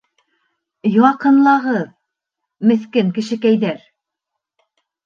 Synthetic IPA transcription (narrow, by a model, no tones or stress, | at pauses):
jɑqɤ̆nlˠɑʁɤð | mɘ̆θkɘŋkɘ̆ʃɘ̆kæjðæɾ